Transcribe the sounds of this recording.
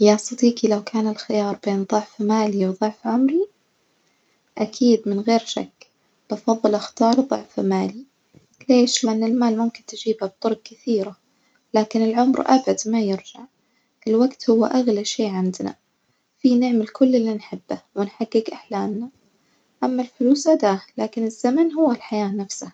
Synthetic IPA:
jaʔɑsˤt̪ɑt̪ˤiːkilawkʰaːnɪlxɪjɑːɾˤbeːnðˤʊʕfmaːliwðˤʊʕfʕʊmɾi | ʔakʰiːd̪mɪnɣeːɾʃa̰kː | b̥ɑfɑðˤːɨlʔɪxt̪ɑːɾˤðˤʊʕfmaːli | leːʃlɪʔanːɪlmaːlmʊmkɪnt̪ɪd͡ʒiːbhab̚t̪ˤʊɾɡ̚kɪθiːɾa | laːkɪnɪlʕʊmɾʔa̰bʕad̪majɪɾd͡ʒaʕ | ʔɪlwaɡt̪hʊwːa̰ʔaɣlaʃeːʕɪnd̪na̰ | fiːnɪʕmalkʊlːɪlːinħɪbːawɪnħaɡːɪɡʔaħlaːmna | ʔamːalfʊluːsad̪aːlaːkɪnɪzːamanɦʊwːalħajaːnafsah

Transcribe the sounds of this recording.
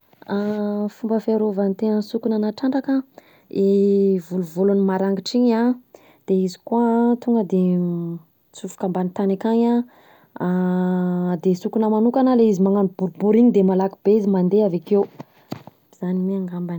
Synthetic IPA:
afumbəfaɾovant̪eɲənsukunanaʈ͡ʂaɳɖ͡ʐaka | evuluvolunimaɾaŋɡiʈ͡ʂiɲa | d̪̥eizikuat̪uŋɡəd̪e | t͡sufu̥kambanit̪anakaɲa | d̪esukunəmanukanaleizimaŋanbuɾubuɾiɲid̪emalakib̥eizimand̪eavakew | z̥animeaŋɡamban

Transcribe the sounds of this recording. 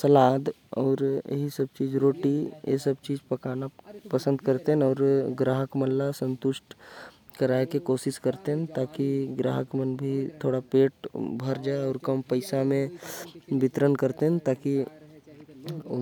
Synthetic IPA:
səlaːd̪ɔːɾjḛɦisɐb̚t͡ʃiːd͡ʒɾoːʈijḛsəbt͡ʃiːd͡ʒpɐkaːnapɐsə̃nd̪kəɾt̪eɦɛ̃ɔːɾɡɾaːɦəkməlːasə̃nt̪ʊʃʈ | kəɾaːekekoːsɪskəɾt̪eɦɛ̃t̪aːkiɡɾa̰ːɦəkmənbʱit̪ʰoːɽapeːʈbʱəɾd͡ʒaːeɔːɾkəmpəɪsamẽ | bɪt̪ɾənkəɾt̪eɦɛ̃t̪aːki

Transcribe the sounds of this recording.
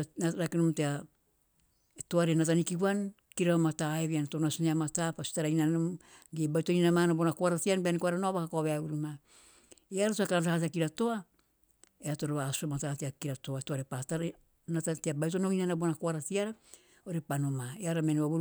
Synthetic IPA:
aɾakinomtea | etoaɾenatanikiuan | kiɾaβamataeβianatonasineamatapasi̥taɾainaomɡebautoninamanabonakoaɾatianbeanikoaɾanoaβakakoaβeaβuɾuma | iaɾasuakanatahateakiɾato̞a | eato̞ɾoβasuamatateakiɾatoaetoaɾepataɾ | natateabajutonoinanabonakoaɾatiaɾa | oɾepano̞maeaɾamenβaβu

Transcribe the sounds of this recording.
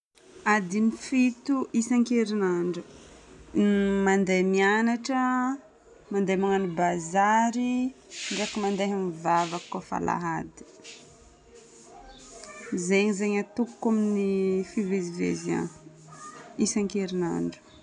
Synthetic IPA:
ad̪inifit̪uʔisaŋkeɾinaɳɖ͡ʐu | mand̪ejmianaʈ͡ʂə | mand̪ejmaŋanibazaɾiɳɖ͡ʐeakimand̪eɦamivavakkːofa̰lʔa̰ɦad̪i̥ | zeɲizeɲat̪ukkːaminifivezivḛziã̰ | isaŋkeɾina̰ɳɖ͡ʐu̥

